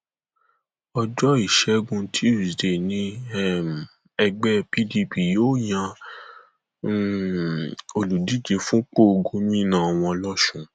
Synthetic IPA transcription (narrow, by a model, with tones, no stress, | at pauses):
ɔ˧d͡ʒɔ˦i˨ʃɛ˨˦ɡũ˧tʰi˨˦ɾi˨de˨nĩ˧˦ɛ˦m˨ | ɛ˧ɡ͡bɛ˦pi˦di˧pi˨joː˦jã˧˦ | o˧lu˨di˨˦d͡ʒe˧fũ˦k͡po˦˧ɡo˧˦mĩ˦nã˦˨a˨w̃ɔ̃˧lɔ˦ʃũ˦